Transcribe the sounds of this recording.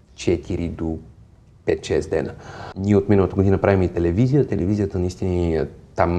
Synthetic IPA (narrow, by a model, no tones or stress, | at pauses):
t͡ʃɛt̪ʰiɾid̪o | pɛt̪ʃɛsd̪ɛ̰nəniɛot̪minəlˠət̪əɡod̪inpɾavimɛit̪ɛlɛvizijət̪ɛlɛvizijət̪ənəist̪init̪am